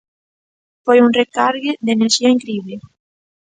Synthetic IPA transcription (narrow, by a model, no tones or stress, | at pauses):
fojuŋrekaɾɣɪd̪eneɾʃiɐiŋkɾiβle